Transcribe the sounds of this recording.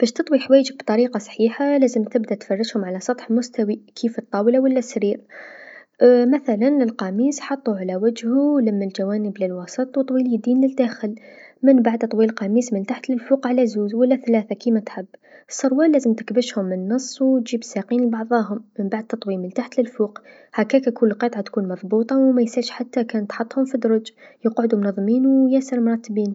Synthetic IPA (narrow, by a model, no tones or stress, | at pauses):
b̥æːʃt̪ɨt̪ˤwiħwaːjd͡ʒibt̪ˤɑɾiːqɑsˤħiːħalaːzəmt̪ɪbd̪at̪fɑrˤːɪʃhʊmʕalasˤɑt̪ˤħɪlmʊst̪awikʰiːft̪ˤːɑːwlawalːasɾiːɾ | maθalanɪlqɑmiːsħɑt̪ˤːuʕalawad͡ʒhuwlamːald͡ʒawaːnəblɪlwɑsˤɨt̪ˤwt̪ˤwiːljd̪iːnlɪld̪aːxɪlmɪnbaʕd̪t̪ˤwiːlqɑmiːsmɪnt̪aħt̪lɪlfuːqʕalæzuːzwalːæθlaːθakimat̪ħɪbːsˤːɑɾˤwɑːlːæːzəmt̪ɪ̥kbɪʃhʊmːənːɑsˤːwt̪ʒiːbsaqiːnəlbɑʕðˤɑːɦʊmːənbaʕd̪̚t̪ːɑt̪ˤwiːmɪnt̪aħt̪lɪlfuːq | hakːæːkækunlqɑt̪ˤʕɑt̪kuːnmɑðˤbuːt̪ˤɑwmæjsalʃħat̪ːakæːnt̪ħɑt̪ˤːhʊmfid̪ɾˤɑd͡ʒjəqʕʊd̪umʊnɑðˤːmiːnwjæsəɾmʊɾˤɑt̪ːbiːn